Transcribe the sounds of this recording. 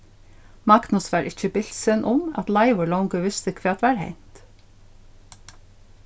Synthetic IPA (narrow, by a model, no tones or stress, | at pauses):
mɑk̪nəsʋɑːɾʔɪc͡çəbɪl̥sənʔʊmɑ̰t̪lɑɪʋʊɭɔwŋkəʋɪst̪əkʰʋeːt̪ʋæːɾhḛɪn̥t̪